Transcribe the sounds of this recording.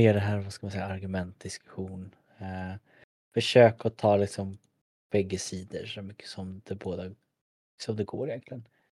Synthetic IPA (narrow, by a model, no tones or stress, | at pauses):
eːɖɛɦæːɾvaskamansɛjːaaɾɡɵmɛnt̪̚d̪ɪskɵ̥ɧuːn | fœʂøːkaɔt̪ʰɑːlɪksɔm | b̥ɛɡːəsiːd̪ə̰ʂɔmʏkʰːə̥sɔmd̪ɛboːd̪a | sɔmd̪ɛɡoːɾɪjɛnk̪ʰlɪən